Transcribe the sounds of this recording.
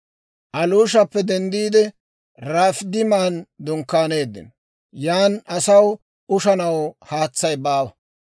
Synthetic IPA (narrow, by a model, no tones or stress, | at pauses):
ʔɐluːʃɐpːɛd̪ɛnd̪iːd̪ɛ | ɾaːfd̪ɪmaːnd̪ʊŋkːaːne̞ːd̪ːɪ̰n | jaːnɐsɐw | ʊʃɐnɐwhaːt͡sːɐjbaːwɐ